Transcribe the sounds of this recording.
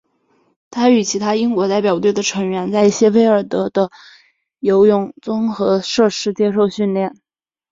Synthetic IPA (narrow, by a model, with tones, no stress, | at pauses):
t̪ʰa˥y˨˩t͡ɕʰi˧˥t̪ʰa˥i˥ŋkwɔ˧˥t̪a˥˩ɪpjɑ˨˩ʊt̪we˥˩ɪd̪ə˩ʈ͡ʂʰɤ˧˥ŋɥɛ˧˥nt͡sa˥˧ɪi˥˩ɕjɛ˥we˥ɪə˞˨˩t̪ɤ˧˥d̪ə˧ | jo˧˥ʊjʊ˥˩ŋt͡sʊ˥ŋxɤ˧˥ʂɤ˥˩ʂɻ̩˥t͡ɕjɛ˥ʂo˥˧ʊɕy˥˧nljɛ˥˩n